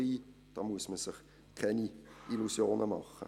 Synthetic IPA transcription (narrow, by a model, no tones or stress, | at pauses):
iː | d̥ɑːmuəsməsɪχ | kʰɛniʔilusjoːnʔəmɑ̰χə̰